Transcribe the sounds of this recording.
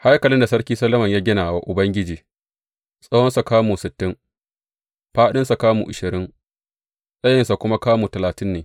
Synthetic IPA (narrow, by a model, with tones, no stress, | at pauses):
ha˦jkɐ˨lɪ˦nda˨sɐ˦ɽkʲiː˦sɐ˦lɐ˦mɐ˨ɲjaː˦ɡʲɪ˦naː˨wa˦ʔʊ˨bɐ˦ŋɡʲɪ˦d͡ʒiː˨ | sʼɐ˦hɔ˦nsa˨kaː˦muː˨sɪ˨tːɪ˦ŋ | ɸaː˦ɗɪ˦nsa˨kaː˦mṵ˨ʔɪ˨ʃɪ˨ɾɪ˦ŋ | sʼɐ˦jɪ˨nsa˨kʷʊ˦ma˦kaː˦muː˨tɐ˨laː˨tɪ˦nːeː˨